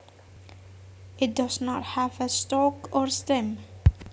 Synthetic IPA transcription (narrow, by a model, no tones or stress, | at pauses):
ɪt̚dʌsnɔthævəstɔkɔɹstɛm